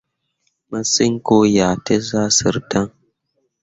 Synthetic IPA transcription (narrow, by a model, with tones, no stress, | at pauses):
ma˦si˦ŋ˦ko˦jaː˨tə˦za˦sɨ˨ɾta˦ŋ